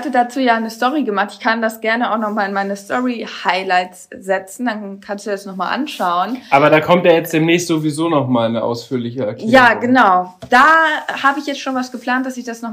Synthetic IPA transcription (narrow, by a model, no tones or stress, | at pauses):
hatədat͡suːjaːnəstɔʁiɡəmaχtɪ̥çkʰandasɡ̥ɛɐnəaʊxnɔχmaːlɪnmaɪnəstʰɔʁihaɪlaɪtsz̥ɛt͡sn̩dankʰanstd̥uːasnɔχmaːlʔa̰nʃaʊənʔaːbɐdaːkʰɔmt̚aːjɛt͡std̥eːmnɛːçstz̥oːvizoːnɔχmaːlnəʔa̰ʊsfyːɐlɪçəɛɐkʰːjaːɡənaʊd̥aːhaːbəɪçjɛt͡stʃoːnvasɡ̥əpl̥aːntd̥asɪçd̥asnɔχ